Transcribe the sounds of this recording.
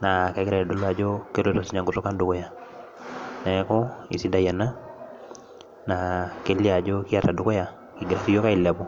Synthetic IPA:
na˨kɛ˨˦ɡɪɾa˨ja˨dɔ˦la˨d͡ʒɔ˦ke˦ɾo˦tɔ˨si˨˦ɲa˨ŋɡu˨tɔ˦ka˦ndu˨kɔ˦ja˨ | nɛ˨˦kɔ˦ḭ˨si˦nda˦ja˨na˦ | na˨ke˦li˦a˨d͡ʒɔ˦ki˦a˦ta˨du˨kɔ˦ja˨ | ki˨ɡi˨ɾa˨si˦jo˦ka˦i˨la˨bɔ˨

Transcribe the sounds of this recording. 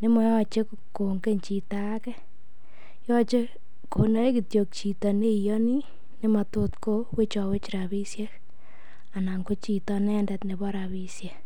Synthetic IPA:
nɪ˦mɔ˨˦jɔ˦t͡ʃe˦k | ko˨ŋɡe˦nt͡ʃi˨ta˦kɛ˦ | jɔ˦t͡ʃe˦ | kʰo˨na˦e˦ki˨tjo˨k̚t͡ʃi˨tɔ˨ne˦˨jɔ˦ni˦ | ne˦ma˨to˦tko˦we˦t͡ʃɔ˨we˦t͡ʃiɾa˨bi˦sje˦ | a˨na˨ŋɡo˦t͡ʃi˨tɔ˦nɛ˦ndɛ˨tne˨bɔ˦ɾa˨bi˦sje˨

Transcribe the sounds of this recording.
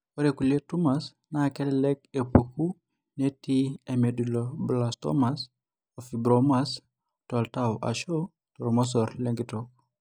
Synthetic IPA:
wo˦ɾe˨ku˨le˦tu˦ma˨s | na˦kɛ˦lɛ˦lɛ˦k̚e˨pu˨ku˦ | ne˦ti˦e˨me˨du˨loblastɔ̰˦mas | ofi˨bɾomas | tɔ˨ltawʔa̰˨ʃo˦ | tɔ˨ɾɔ˨mɔ˦s̬ɔ˨ɾle˦ŋɡitɔk̚

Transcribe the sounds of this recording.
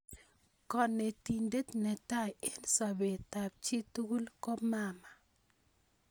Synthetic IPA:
kɔ˨ne˨ti˨ɲde˦t̪nɛ˨ta˦˨je˦nsa˨be˨ta˨p̚t͡ʃi˦tu˦ɡu˦lko˦ma˦ma˨

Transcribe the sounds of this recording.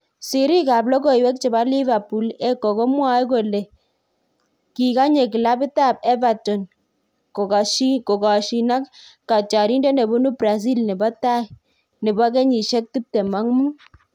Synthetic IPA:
si˨ɾi˦ka˨blɔ˦kɔ˨i˨wɛ˦k̚t͡ʃɛ˨ba˦li˦va˨pu˨lɛ˦kːɔ˨kɔ˦mwa˦jko˨le˨ | ki˨ka˦ɲe˨ki˨la˦bɪ˦ta˦˨b̚ɛ˦ba˨tɔ˨n | ko˨ʃko˨ka˨ʃi˨na˦kkːa˨t͡ʃa˨ɾi˦nde˦ne˨bu˦nu˦bɾa˨s̬i˦lnɛ˨bɔ˦ta˦i˨ | ne˨ba˦k̬ɛ˦ɲi˨ʃɛ˦k̚tu˦p̚tɛ˨ma˦ŋmu˦

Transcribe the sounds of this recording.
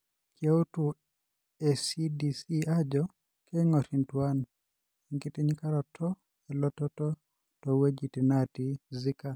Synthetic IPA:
kje˦o˦tu | ɛsi˦disi˦ad͡ʒɔ | ke˦ŋɔ˨ɾintwan | iŋki˦ti˦ɲika˦ɾɔ˨tʰɔ˦ | ɛ˨lɔ˦tɔ˦tɔ˦ | tɔ˨we˦d͡ʒi˨ti˨nati˦zi˦ka˨

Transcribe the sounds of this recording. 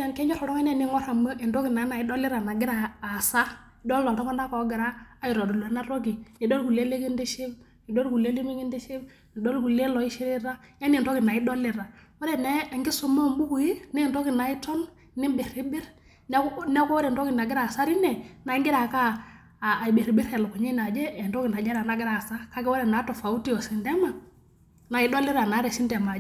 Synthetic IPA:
a˨nke˦d͡ʒɔ˦ho˨ɾo˦ŋ˦e˦ne˦˨ni˦ŋɔ˦ɾa˨mə˦i˨ndo˦ɡi˨na˨˦na˨i˦do˦li˦ɾa˨na˨ɡi˦ɾaː˨sa˦˨ | do˦lːo˨ta˦ka˦nda˦ko˨˦ɡi˨ɾaː˦˨˦ji˨ɾo˨du˨lna˦ɾo˦ɡi˨ni˨do˦lku˨le˦le˦ɡi˦nde˦ʃe˦b | i˨do˦lɡu˨le˦li˦mi˦ɡi˦nde˦ʃe˦b | i˨do˦lɡu˨le˦lo˨i˦ʃi˦ɾi˦ɾa˦ja˦ni˨n˨ɾo˦ɡi˨na˨i˦do˦li˨ɾa˨wɔ˦ɾɛ˨nɛ˦a˨ŋɡi˦sɔ˦mɔ˦˨mbu˦ku˨ji˦nɛ˦˨ntɔ˦kɪ˨na˨˦i˦tɔ˦n | nɪ˦mbe˨ɾi˦bɪ˦ɾ | nɛ˦nɛ˦kɔ˦wɔ˦ɾɛ˨ntɔ˦kɪ˨na˨ɡɪ˦ɾa˨sa˦ɾi˦nɛ˨na˨˦ŋɡɪ˦ɾa˨kaː˦˨ | be˨ɾi˨bɪ˦ɾkɛ˨lɔ˨ku˨ɲi˦na˨d͡ʒɛ˦ɛ˨ntɔ˦ki˨na˨d͡ʒɛ˦ɾa˨na˨˦ɡɪ˦ɾa˨sa˦ka˦kɛ˦wɔ˦ɾɛ˨na˨˦tɔ˨fa˨u˦ti˦jɔ˨si˨ndɛ˦ma˨ | na˨ɪ˦dɔ˦lɪ˦ɾa˨na˨˦ɾɛ˨si˦ndɛ˨ma˨˦

